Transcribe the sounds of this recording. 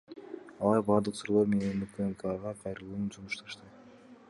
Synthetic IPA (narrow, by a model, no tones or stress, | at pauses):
ɑlˠɑɾbɑːɾd̪ɯqsuɾolˠoɾme̞nenykelkɑʁɑqʰɑjɾɯlˠuːnunsumuʃt̪ɑʃt̪ɯ